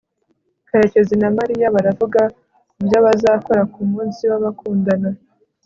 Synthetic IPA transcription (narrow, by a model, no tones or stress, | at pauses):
kaɾe̞ce̞zinamaɾijaβaɾavuɡa | kubjaβazaːko̞ɾakumuːnsiβaβakʰuːndana